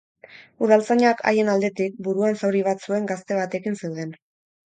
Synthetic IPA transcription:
uðalt͡saɲakʰa̰je̞nald̪e̞t̪ik̚buɾuansawɾiβ̞at̪sue̞ŋɡast̪e̞β̞at̪e̞kinsewðe̞n

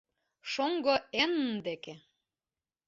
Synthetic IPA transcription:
ʃoŋɡoenəmd̪eke

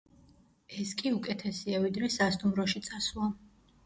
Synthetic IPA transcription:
ɛskʼiukʼɛt̪ʰɛsiavid̪ɾɛsast̪ʼumɾɔʃit̪sʼaslˠa

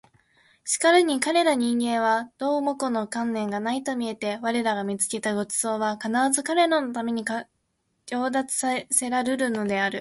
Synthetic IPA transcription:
ɕi̥kaɾɯɲ̟ikaɾe̞ɾaɲ̟ĩŋɡẽ̞ɰ̃βad̪̥o̞ːmo̞ko̞no̞kãnːẽ̞ŋɡanait̪o̞mʲie̞t̪e̞βaɾe̞ɾaɡamʲit͡sɨ̥ke̞t̪aɡo̞t͡sɨ̥zo̞ːβakanaɾazɨkaɾe̞ɾano̞t̪ame̞ɲ̟ika | kʲo̞ːd̪at͡sɨ̥se̞ɾaɾɯɾɯ̟no̞d̪e̞aɾɯ̟

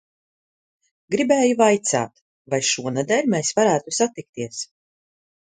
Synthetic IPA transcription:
ɡɾibeːjuvajt̪sa̰ːt̪ | vajʃuɔnɛd̪ɛlʲmɛsvaɾæːt̪usat̪ik̚t̪iɛs

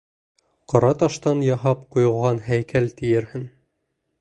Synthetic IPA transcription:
qɑ̆ɾɑt̪ɑʃt̪ɑnjɑɦɑpqujɤ̆lˠʁɑnɦæjkælt̪ɘ̆jɘ̆ɾhɘn

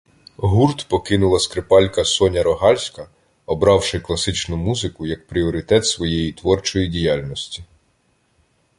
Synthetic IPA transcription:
ɦurt̪pɔkɪnʊlˠɐskɾepɑlʲkɐsɔnʲɐɾɔɦɑlʲsʲkɐ | ɔbɾɑwʃɪklˠɐsɪt͡ʃnʊmuzɪkʊjɐk̚pɾʲiɔɾɪt̪ɛt̪sʋɔjɛjit̪ʋɔrt͡ʃɔjidʲijɑlʲnɔsʲtʲi

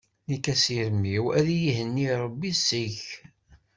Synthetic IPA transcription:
nikæsiɾəmːiwæðijiɦənːiɾˤəbːisːiç

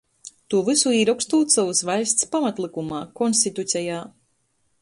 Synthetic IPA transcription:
t̪uːvɨsuiːɾɔkst̪uːt̪savɨsvajst̪spamat̪lˠikumaːkɔnst̪it̪ut̪sʲɛjaː

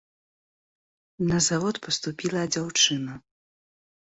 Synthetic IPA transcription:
nɐzavɔt̪pɐst̪upʲilˠɐd͡zʲawt͡ʂɨnɐ

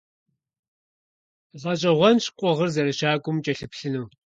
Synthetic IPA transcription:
ʁɐt͡ʃʼɐʁʷɔnɕqʷʼɔʁərzɐɾɐʃaːkʷʼʊmt͡ʃʼɐɬɨpɬɨnɨw

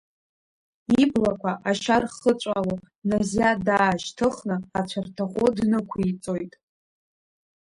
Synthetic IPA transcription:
iblakʷʰaʔaʃarχət͡ʃʷʼalo | nazjadaːʃtʰɨχnɨat͡ɕʷʰartʰaχʷʼodnɨkʷʰait͡sʼo̞jtʼ

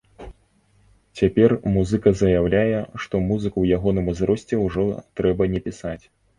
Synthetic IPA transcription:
t͡sʲapʲɛrmuzɨkɐzɐjawlʲajɛʂt̪ɔmuzɨkɐwjaɣɔnɨmɨzɾɔsʲt͡sʲɛwʐɔt̪ɾɛbɐnʲɛpʲisat͡sʲ

